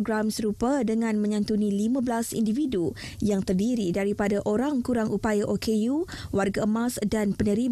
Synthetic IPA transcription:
ɡɾamsəɾupadəŋãnmə̃ɲãnt̪unĩlimãbəlasḭndividu | jaŋt̪ərdiɾidaɾipadaʔoɾaŋkuɾaŋʔupajaʔokʰejuwarɡaəmãsdanpənə̃ɾi

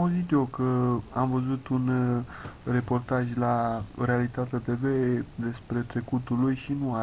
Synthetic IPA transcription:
auzit̪jokəamvəzut̪un | re̞po̞rt̪aʒʲlare̞alit̪at̪et̪e̞ve̞d̪e̞spɾe̞t̪ɾe̞kut̪ulujʃinua

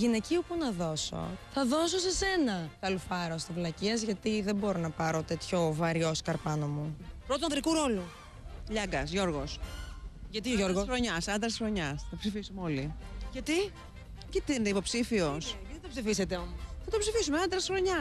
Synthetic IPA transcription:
ʝine̞ciupunɐðo̞so̞̰θɐðo̞s̬ose̞se̞nɐkɐlufɐɾost̪ivlɐciɐzʝɐt̪iðe̞bo̞ɾo̞nɐpɐɾo̞t̪e̞t̪ço̞vɐɾio̞skɐɾpɐnomupɾot̪uɐnd̪ɾikuɾo̞lu | ʎɐɡɐsʝo̞ɾɣo̞s | ʝɐt̪iʝoɾɣoxɾoɲɐsɐnd̪ɾɐsxɾo̞ɲɐsɐt̪ɐpsifisumeo̞liʝɐt̪i | cit̪iineipo̞psifio̞sʝɐt̪it̪ɐpsifise̞t̪e̞omosθɐt̪opsifisumeɐnd̪ɾɐsxɾo̞ɲɐ

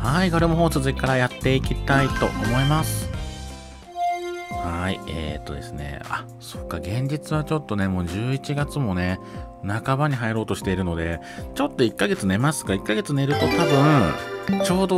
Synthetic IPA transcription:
haikoɾemoɦo̞ːsɨzɨikːaɾajat̪ːe̞ikʲit̪ait̪o̞̰ʔomo̞imasɨ̥ | haiḛt̪ːo̞̰d̪e̞sɨne̞̰a̰ | so̞kːaɡẽ̞ɲ̟d͡ʑit͡sɨβat͡ɕo̞t̪ːo̞ne̞mo̞ːʑɨːit͡ɕiɡat͡sɨmo̞ne̞ | nakabaɲ̟iɦaiɾo̞ːt̪o̞ɕi̥t̪e̞iɾɯ̟no̞d̪e̞ | t͡ɕo̞t̪ːo̞ikːaɡe̞t͡sɨne̞masɨ̥kaikːaɡe̞t͡sɨne̞ɾɯ̟t̪o̞t̪abɯ̟̃t͡ɕo̞ːd̪o̞

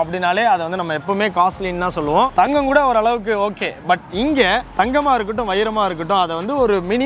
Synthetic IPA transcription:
ɐpːɐɽɪnːaːleːɐðɛʋɐnd̪ɯnɐmːɐɛpːɐmeːkaːsʈlɪːnt̪ãːsɔlːɯʋõt̪ɐŋɡɐŋkuːɽɐɔɾɯɐɭɐʋɯk̬ːɯoːkːeːbɐʈɪŋɡet̪ɐŋɡɐmaːɪɾɯk̬ːɯʈ̬ːʊ̃ʋɐjɪɾɐmaːɪɾɯkːɯʈːʊ̃ɐðɛʋɐnd̪ɯɔɾɯmɪnɪ

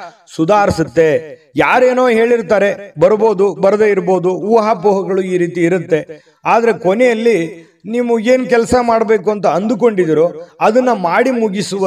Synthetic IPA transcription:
sud̪ʱaːɾisut̪ːe̞ | jaːɾe̞ːno̞ːɦe̞ːɭiɾt̪aːɾe̞bɐɾbo̞ːd̪ubɐɾɐd̪eːiɾbo̞ːd̪uːʋɐɦapuːɦɐɡɐɭuiːɾiːt̪iːɾut̪ːe̞ | aːd̪ɐɾe̞konejɐlːi | niːmue̞ːnkɛlɐsɐmaːɽbe̞ːkuɐnt̪ɐɐnd̪uk̬o̞ɳɖid̪iɾoɐd̪ɐnːɐmaːɽimuɡisuʋɐ

